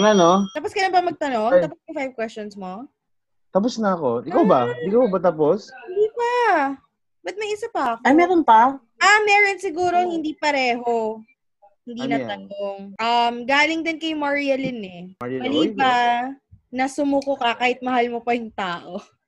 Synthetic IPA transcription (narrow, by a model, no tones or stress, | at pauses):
ŋɐnot̪aːposkɐlɐmpɐmɐɡ̚t̪ɐno̞ŋt̪aːposjʊŋfajv̚kwɛst͡ʃonsmo | t̪ɐp̬ʊsnɐɐko̞ɪkawbaɪkabɐt̪aːposhɪnd̪iːpɐ | bɐt̪̚mɐjʔɪsɐpɐʔɐkamɛɾonpɐ | ʔɐmɛːɾonsɪɡuːɾo̞hɪnd̪iːpɐɾɛːɦo̞ | hɪnd̪iːnɐt̪ɐnoŋʔɐmɡaːlɪŋd̪ɪnkɐjmaɹiɐlɪnɛɐllipa | nɐsʊmuːkokɐkaːhɪt̪̚mɐhalmopɐjʊŋt̪aːʔo̞